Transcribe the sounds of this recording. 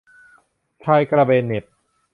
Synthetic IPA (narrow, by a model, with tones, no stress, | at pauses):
t͡ɕʰaː˧jkɾa˧beː˧nːe˨˩p̚